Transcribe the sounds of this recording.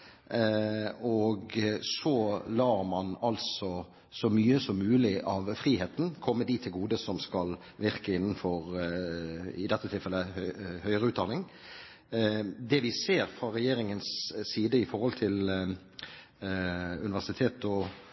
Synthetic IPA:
ɔɡsɔlɑːɾmɑnɑlsɔ | sɔmyːəsɔmːʉːlɪʔɑʋfɾiːheːt̪n̩kʰɔmːəd̪it̪ʰːɪlɡuːd̪əsɔmskɑl | ʋɪɾkəɪnːənfɔʁ | ɪ̰d̪ɛt̪ːət̪ʰɪlfɛlːəhœhœʏəɾəʉːt̪d̪ɑnɪŋ | d̪ɛʋɪseːɾfɾɑɾɛjeːɾɪŋənsːiːd̪əɪfɔɾhɔlt̪ʰɪl | ʉ̰nɪʋæʂsɪt̪ʰeːt̪ɔ

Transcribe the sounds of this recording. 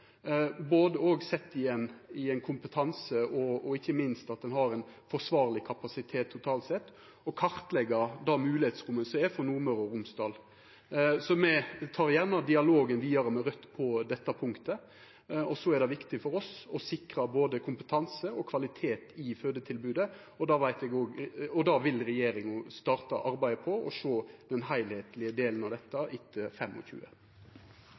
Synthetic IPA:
boːd̪əoːɡsɛt̪ːɪɛnɪɛɪnkʰʊmpət̪ʰɑnsəɔɔɪçːəmɪnst̪ɑt̪̚d̪ɛnɦɑɾɛnfɔʂʋɑːʁlɪkʰɑpɑsɪt̪ʰeːt̪ʰːʊt̪ʰɑːlt̪sɛt̪ː | ɔkʰɑɾʁt̪lɛɡəɾd̪ɑːmʉːlɪheːt̪sɾʊmːənsɔɛfɔnuːɾmœɾɔɾʊmsd̪ɑːl | sɔmɛt̪ʰɑːɾjæʁnɑd̪ɪɑloːɡənʋiːɑɾəmɛɾœt̪ːpʰɔd̪ɛt̪ːɑpʰʊŋkt̪ə | ɔsɔæɛɖ̪ɛʋɪkt̪ɪfɔɾɔsɔsɪkɾɑboːd̪əkʰʊmpət̪ʰɑnsəɔkʰʋɑlɪt̪ʰeːt̪ɪføːd̪ət̪ʰɪlbʉːd̪ə | ɔd̪ɑːʋæɪt̪ɛɡoːɡɔd̪ɑʋɪlɾɛjeːɾɪŋʊst̪ɑːʁt̪ɑ̰ʔɑɾbæɪpʰɔɔ̰ʂoːd̪̥ɛnɦæɪlheːt̪lɪəd̪eːlənɑʋd̪ɛt̪ːɑʔɪt̪ʰːəfɛmːɔ̰çʉ̰ːə̰

